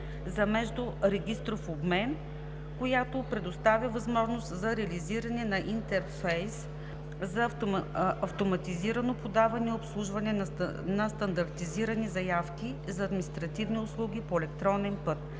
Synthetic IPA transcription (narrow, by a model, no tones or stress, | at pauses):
zɐmɛʒd̪ʊɾɛɡʲist̪ɾofobmɛn | kojat̪opɾɛd̪ost̪avʲjɐvɐzmɔʒnost̪zɐɾɛɐliziɾɐnɛnɐʔint̪ɛɾfɛjs | zɐ | ɐft̪omɐt̪iziɾɐnopod̪avɐnɛiopslˠuʒvɐnɛnnɐst̪ɐnd̪ɐɾt̪iziɾɐnizɐjafk̟ʲi | zɐːd̪mʲinist̪ɾɐt̪ivniʊslˠuɡʲipoɛlɛkt̪ɾɔnɛnpɤt̪̚